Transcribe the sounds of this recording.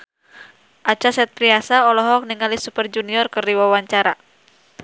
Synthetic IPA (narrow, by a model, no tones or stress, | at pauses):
ʔat͡ʃasɛt̪̚pɾiasaɔlɔɦɔk̚niŋalisupərd͡ʒuniɔrkərdiwawaɲt͡ʃaɾa